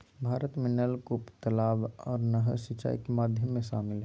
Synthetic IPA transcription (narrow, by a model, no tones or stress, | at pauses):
bʱaːɾət̪mẽnəlkʊpt̪əlaːʋɔːɾnəɦəsɪt͡ʃːa̰ːḭkemaːd̪ʱjəmːẽʃaːmɪlɦɛ